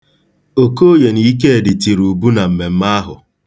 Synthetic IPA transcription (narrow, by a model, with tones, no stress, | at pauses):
o˨ko˦je˨ni˦i˦k̬e˦e˨dɪ˨ti˨ɾu˨bu˦na˨m̩˨me˨m̩˦ma˦ɦʊ˨